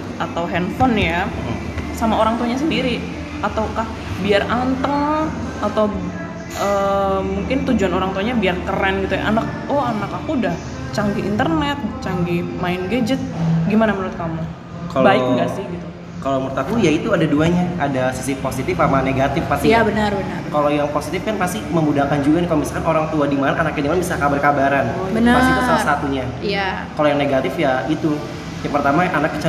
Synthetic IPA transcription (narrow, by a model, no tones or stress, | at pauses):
ʔat̪awɦɛnfɔnja | samaoɾaŋt̪uaɲas̬əndiɾi | at̪awkah | biarant̪əŋ | at̪aw | ʔəːmuŋkɪnt̪ud͡ʒuanoɾaŋt̪uaɲabiarkərɛnɡit̪uja̰ʔanak̚ɔanakakudah | t͡ʃaŋɡiʔint̪ərnɛt̪̚t͡ʃaŋɡimaɪnɡed͡ʒət̪̚ɡimanamənuɾʊt̪̚kamu | kalbaɪk̚ŋɡasɪhɡit̪u | kalomurt̪ak̪ujait̪uadaduaɲaadasisiposit̪ɪfamaneɡat̪ɪfpast̪iabənərbənərkalojaŋposit̪ɪfkanpast̪iməmbudahkand͡ʒuɡankalomisalkanʔoɾaŋt̪uadimanaʔːnak̚adimanabisakabarkabaɾanbənəasiusalasat̪uɲa | ja | kalojaŋneɡat̪ɪfjait̪u | jaŋpərt̪amaanakːə̥t͡ʃa